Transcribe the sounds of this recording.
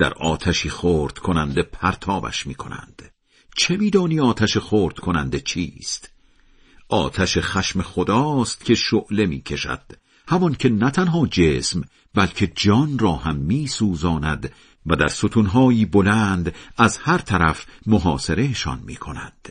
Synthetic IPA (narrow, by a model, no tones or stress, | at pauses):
d̪̥æ̰ɾɒːt̪ʰæʃiːχoːɾd̪̥kʰo̞nænd̪e̞pʰæɾt̪ʰɒːbæ̰ʃmiːkʰo̞̰næ̰nd̪̥ | t͡ʃʰe̞miːd̪ɒːniːɒːt̪ʰæʃeχoːɾd̪̥kʰo̞nænd̪e̞t͡ʃʰḭːst̪ | ʔɒːt̪ʰæʃeχæʃme̞χod̪ɒːst̪cʲʰe̞ʃoʔle̞miːcʰe̞ʃæ̰d̪̥ | hæmɒncʲʰe̞næt̪ʰænɦɒːd͡ʒeːsm | bælcʰe̞d͡ʒɒːnrɒːhæmːiːsuːzɒːnæd̪ | væd̪æɾsot̪ʰunɦɒːjiːbo̞lænd̪æzhæɾt̪ʰæɾæfmoɦɒːse̞ɾe̞jeʃɒ̰nmḭːkʰo̞nænd̪̥